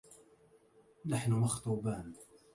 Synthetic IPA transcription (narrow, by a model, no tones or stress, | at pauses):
naħnʊmaxt̪ˤuːbaːn